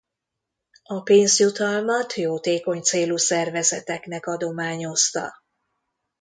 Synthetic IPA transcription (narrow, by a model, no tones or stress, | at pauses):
ɒpeːnzjut̪ɒlmɒt̪joːt̪eːko̞ɲt̪seːlusɛrvɛzɛt̪ɛknɛkɒd̪o̞maːɲo̞st̪ɒ̰